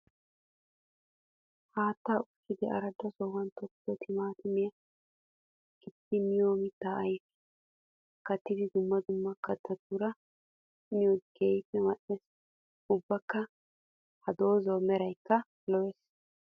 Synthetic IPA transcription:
haːt̪ːaːʊkːɪd̪ɪɐ̰ɾɐd̪ɐsɔwɐnt̪ɔkːɔt̪ʰɪmaːt̪ɪmɛjɐ | kɪt̪ːɪnɪjoːmɪt̪ːaːʔɐjfɛ̥ | kɐt̪ːɪd̪ɪd̪ʊmːɐd̪ʊmːɐkːɐt̪ʰːɐd̪uːɾɐ | nɪjoɡeːjfɛmɐʔɛs | ʊbːɐkːɐ | hɐd̪oːzɐwmɛɾɐjkːɐ | lɔwɛs

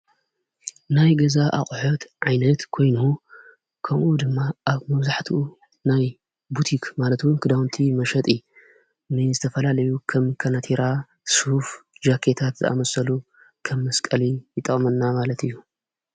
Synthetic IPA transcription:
najɡɐzaʔa̰χʼħot̪ʕajnɐt̪kʰo̞jnu | kʰɐmʔud̪ɨmːaʔaβmɐβzaħt̪ʰiu | naj | but̪ʰikʰmalɐt̪wunkʰɨd̪awnt̪ʰimɐʃɐt̪ʼɨjːu | nɨzɨt̪ʰɐfɐlalɐjukʰɐmkʰɐnat̪ʰiɾa | shufd͡ʒakʰːet̪ʰat̪zɨ̰ʔa̰mɐsɐlu | kʰɐmːɐskʼɐlijɨt̪ʼɐχʼmɐnːamalɐt̪ɨjːu

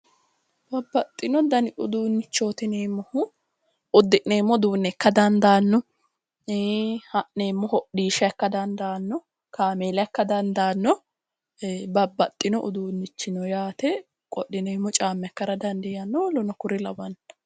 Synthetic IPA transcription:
b̥ɐbːɐt̪ʼːɪnɔd̪ɐnɪʔʊd̪uːnːɪt͡ʃːoːt̪ɪneːmːɔhʊ | ʊd̪ːɪʔneːmːɔd̪uːnːɛkːɐd̪ɐnd̪aːnːɔ | hɐʔneːmːɔhɔʔiːʃɛkːɐd̪ɐnd̪aːnːɔ | kaːmeːlɐkːɐd̪ɐnd̪aːnːɔ | bɐbːɐt̪ʼːɪnɔʔʊ̰d̪uːnːɪt͡ʃːɪnɔjaːt̪ɛ | kʼɔɗːɪneːmːɔt͡ʃʼaːmːɛkːɐɾɐd̪ɐnd̪ɛjɐnːɔlɔnɔkʊɾɪlɐwɐn

